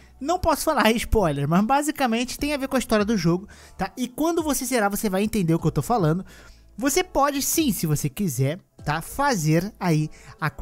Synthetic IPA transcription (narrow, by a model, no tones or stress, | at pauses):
nɐ̃w̃pɔsʊ̥falaɾɪspɔjleɾmɐzbazikamẽnt͡ʃɪ̥t̪ẽj̃aveɾkõɐist̪ɔɾiɐd̪ʊʒoɡʊ | t̪aɪkwɐ̃nd̪ʊvoseseɾavosevajẽnt̪ẽnd̪eɾʊkɪewt̪owfalɐ̃nd̪ʊ | vosepɔd͡ʒɪsĩsɪvosekizɛɾ | t̪afazeɾaia